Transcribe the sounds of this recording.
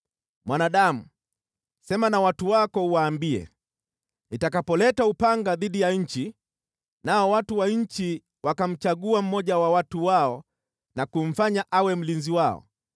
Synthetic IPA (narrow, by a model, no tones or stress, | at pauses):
mwanaɗamu | sɛmanawatuwakɔuwaːmbiɛ̰ | nitakapɔlɛtaupaŋɡaðiɗijaɲ̩t͡ʃi | naɔwatuwaɲ̩t͡ʃi | wakam̩t͡ʃaɠuam̩mɔʄawawatuwaɔ | nakum̩faɲaʔawɛm̩linziwaɔ̰